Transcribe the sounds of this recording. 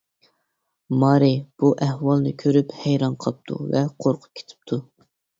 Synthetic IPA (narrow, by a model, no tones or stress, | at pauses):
mɑːɾɪb̥uʔæhwɑlˠnɨkʲʰøɾyphæjɾɑnqʰlˠp̚t̪ʰṵvɛqʰoɾqʰʊ̥p̚kʲʰe̥t̪ʰɪ̥p̚t̪ʰu